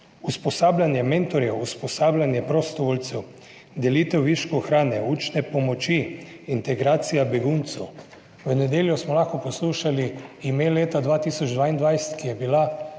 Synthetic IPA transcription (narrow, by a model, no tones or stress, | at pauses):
uspɔsaːblʲanjɛment̪ɔɾjɛuspɔsaːblʲanjɛpɾɔst̪ɔʋɔlt̪sɛw | d̪ɛlit̪ɛwʋiʃkɔxɾaːnɛut͡ʃnɛpɔmɔt͡ʃi | int̪ɛɡɾaːt̪sijabɛɡunt̪sɛw | ʋənɛd̪eːljusmɔlaxkɔpɔsluːʃaliimeleːt̪ad̪ʋaːt̪iːsɔd͡ʒd̪ʋaːind̪ʋajsɛ̥t̪kijɛbila